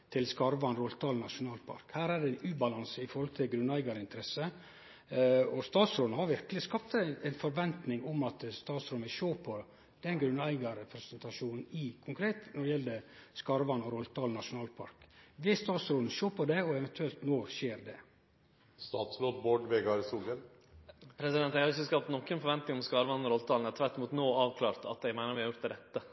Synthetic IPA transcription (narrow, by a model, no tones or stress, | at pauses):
t̪ʰɪlskɑɾʋɑnɾɔlt̪ʰɑːlnɑʂʊnɑːlpʰɑ̰ɾkhæːɾæɖɛɪnʉːbɑlɑnsəɪfɔɾhɔlt̪ʰɪlɡɾʉnæɪɡɑɾəɪnt̪əɾɛsə | ɔst̪ɑːt̪sɾoːd̪nəhɑɾʋɪɾkəlɪskɑp̚t̪æɪnfɔɾʋɛnt̪nɪŋʊmɑt̪st̪ɑːt̪sɾɔːməʃoːpʰɔ | d̪̥ɛnɡɾʉnæɪɡɑɾəpʰɾɛsɛnt̪ɑʃuːnn̩ɪkʰʊŋkɾeːt̪nɔɖɛjɛld̪əskɑːɾəʋɑnːɔɾɔlːt̪ʰɑːln̩ɑʂʊnɑːlpʰɑ̰ɾkʋɪst̪ɑːt̪sɾoːln̩ʃoːpʰɔd̪ɛɔɛʋɛnt̪ʰʉɛlt̪noːʃeːɾd̪ɛ | st̪ɑːt̪sloːt̪boːɖʋeːɡɑɾsuːɡəl | pʰɾɛsɪd̪ɛnt̪æɪhɑɾɪçːəskɑp̚t̪nɔkːənfɔɾʋɛnt̪nɪŋɔmskɑːɾəʋɑnːɔɾɔlt̪ʰɑːln̩ɛt̪ʰʋæʈ̪ːɪmuːt̪noːɑːʋkʰlɑːɾt̪ɑ̰t̪d̪ɛɪɡmæɪnəɾʋɪhɑɾjʊɾt̪d̪ɛd̪ɛt̪ːə